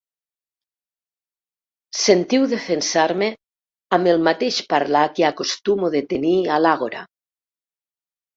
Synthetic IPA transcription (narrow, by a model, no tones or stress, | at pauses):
sent̪iwðefensaɾme | amelmat̪eʃpaɾlakeakost̪umoðet̪enialaɣoɾa̰